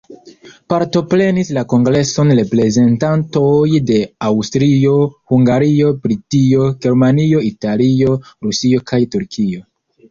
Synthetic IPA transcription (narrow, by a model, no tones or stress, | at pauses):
paɾto̞pɾe̞nislako̞ŋɡɾe̞so̞nɾe̞pɾe̞ze̞ntantojde̞awstɾio̞huŋɡaɾio̞bɾitio̞ɡe̞ɾmanio̞italio̞ɾusio̞kʰajtuɾkʰio̞